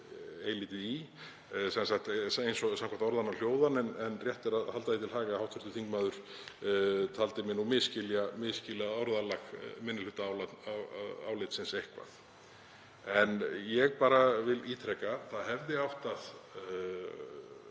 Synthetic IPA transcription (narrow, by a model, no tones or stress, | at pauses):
ejliːt̪ɪði | sɛnsaxt̪ejnsɔsamkʰaht̪ɔɾðanːaljoːwðanɛnɛnrjɛht̪ɛɾaðhalt̪aðit̪ʰɪlɦaːɣahawht̪fʏɾ̥t̪ʏ̥θʰiŋkmaːðʏɾ̥ | t̪ʰalt̪ɪmɪnumɪðscɪljamɪðscɪlaɔɾðalaxmɪnːɪlʏt̪aawlana̰wlɪjt̪sɪnsejhkva̰θ | ɛnjɛɣpaːɾavɪliːt̪ʰɾɛkaθaðɦɛvðɪawht̪að̥